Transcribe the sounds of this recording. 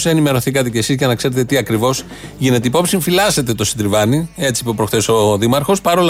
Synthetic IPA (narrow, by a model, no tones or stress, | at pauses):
se̞nime̞ɾo̞θikɐt̪e̞ce̞sizʝɐnɐkse̞ɾe̞t̪e̞t̪iɐkɾivo̞s | ʝine̞t̪eipo̞psiɱfilɐset̪e̞t̪o̞sid̪ɾivɐnie̞t͡si̥pupɾo̞xθeso̞ðimɐɾxo̞spɐɾo̞l